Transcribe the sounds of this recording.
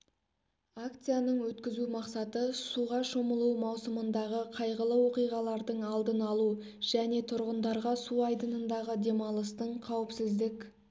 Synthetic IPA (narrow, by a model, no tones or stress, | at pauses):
akt̪sɨjanəɴwɵt̪kʲɪzumɑqsɑt̪əsuʁɑʃoməlˠuwmɑwsəmənd̪ɑʁəqʰɑjʁəlˠəwo̞qijʁɑlˠɑɾd̪əɴɑlˠd̪ənɑlˠu | ʒ̥æne̞t̪ʰʊɾʁənd̪ɑɾʁɑsuɑjd̪ənənd̪ɑʁəd̪e̞mɑlˠəst̪əɴqʰɑwɪpsɪzd̪ɪkʲ